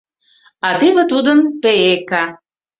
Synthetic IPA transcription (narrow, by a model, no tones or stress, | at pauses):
ɑt̪eβĕt̪ud̪ə̆npeekɑ